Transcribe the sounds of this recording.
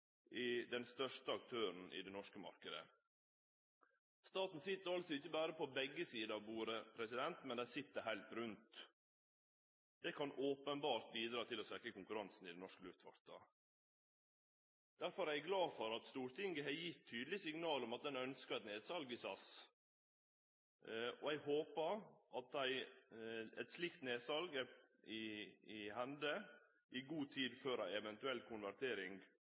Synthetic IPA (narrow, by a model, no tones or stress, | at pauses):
ʔɪd̪ɛnst̪œʂtəɑk̚t̪ʰøːɾn̩ʔɪ̰d̪ɛnɔʂkəmɑ̰ɾkəd̪ə̰ | st̪ɑːt̪n̩sɪt̪ːəɾɑlsɔɪçːəbæːɾəpʰɔbɛɡːəsiːd̪əɑʋbuːɾəpʰɾɛsɪd̪ɛnt̪mɛnd̪æɪsɪt̪ːəɾɦæɪlt̪ɾʉnt̪ | d̪ɛkʰɑnʔoːpənbɑːɾt̪̚biːd̪ɾɑːt̪ʰɪlɔsɛkɾəkʊŋkʉɾɑnsn̩ɪd̪ɛnɔʂkəlʉft̪ʋɑ̰ɾt̪ɑ̰ | d̪̥æɾfɔɾæɪɡlɑːfɔɾɑt̪st̪uːɾt̪ʰɪŋɡəɦɛjɪt̪ʰːyːd̪lɪsɪŋnɑːlɔmɑt̪̚d̪ɛnœnskəɛt̪neːd̪sɑlɡɪsɑs | ɔæɪɡhoːpəɾʔɑt̪̚d̪æɪ | ɛ̰t̪slɪkt̪neːsɑlɡəɪɪhɛnd̪ə | ʔɪɡuːt̪ʰiːd̪føːɾæɪɛʋɛnt̪ʉɛlkʰʊnʋæɾt̪ʰeːɾɪŋɡ